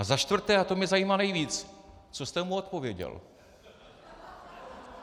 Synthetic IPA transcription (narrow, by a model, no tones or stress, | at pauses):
azaʃt̪vr̩t̪ɛːat̪omɲɛzajiːmanɛjviːt͡st͡sost̪ɛmuot̪̚povjɛɟɛ̰l